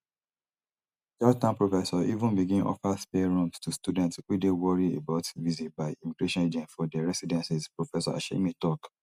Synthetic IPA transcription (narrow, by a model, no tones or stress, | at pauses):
jɔtãnpɹofɛsɔʔivũnbiɡĩnʔɔ̰fəspelɹũmstustudɛ̃ntswidewɔɹiḛbaʊtvizit̚baɪimiɡɹeʃɔ̃ned͡ʒɛ̃ntfɔdɛɹɛsidɛ̃nsispɹofɛsɔ̰a̰ʃḛmitɔk